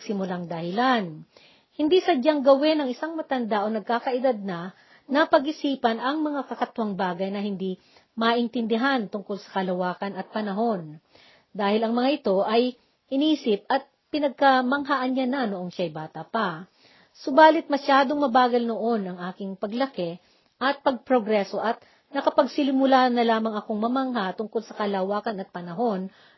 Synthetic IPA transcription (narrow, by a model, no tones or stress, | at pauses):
sɪmʊlaŋd̪ɐhɪlan | hɪnd̪isɐd͡ʒɐŋɡɐwɛnɐŋʔɪsaŋmɐt̪ɐnd̪aʔonɐɡ̚kaːkɐʔɪd̪ad̪̚nɐ | nɐpɐɡʔɪsiːpɐnʔɐŋmɐŋakɐkɐt̪ʊhaŋbaːɡɐjnɐhɪnd̪i | mɐʔɪnt̪ɪnd̪ɪɦant̪ʊŋko̞lsɐ̥kɐlɐwaːkɐnɐt̪̚pɐnɐɦo̞n | d̪aːhɪlɐŋmɐŋaʔɪt̪o̞ʔɐj | ʔɪniːsɪp̚ɐt̪̚pɪnɐɡ̚kɐmɐŋɦaʔɐnɲananoʔoŋʃajbaːt̪ɐpɐ | sobaːlɪt̪̚mɐʃaːd̪oŋmɐbaːɡɐlnoʔo̞nɐŋʔaːkɪŋpɐɡlɐkɛ | ʔɐt̪̚pɐɡ̚pɾoɡɾɛso̞ʔɐt̪̚ | nɐkɐpɐɡsɪlɪmʊlaːnɐlaːmɐŋɐko̞ŋmɐmaŋɦat̪ʊŋko̞lsɐkɐlawaːkɐnɐt̪̚pɐnɐɦo̞n